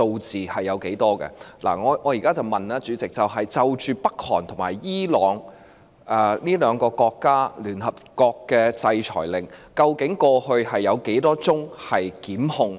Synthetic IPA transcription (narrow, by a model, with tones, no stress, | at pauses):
so˧wt͡siː˨hɐ˨jːɐ˨˧wke˨˥jt̪ɔː˥kɛ̰˧la̰ː˨˩ŋɔː˨˧ŋɔː˨˧jiː˨kaː˥t͡sɐ˨wmɐ˨naː˥t͡ʃyː˨˧˥t͡sɪ˨k̚t͡sɐ˨wɦɐ˨jt͡sɐ˨wt͡ʃyː˨pɐ˥k̚hɔ̰ː˨˩nt̪ʰʊ˨˩ŋmaː˨˩jiː˥lɔː˨˥ŋ | ɛː˨niː˥lœː˨˧ŋkɔː˧kɔː˧kːaː˥lyː˨˩nhɐ˨p̚kɔː˧kːɛː˧t͡sɐ˧jt͡ʃʰɔ̰ː˨˩jlɪ˨ŋkɐ˧wkɪ˨˥ŋkɔː˧hɵ˧ɥhɐ˨jːɐ˨˧wke˨˥jt̪ɔː˥t͡sʊ˥ŋhɐ˨jkiː˨˥mhʊ˧ŋ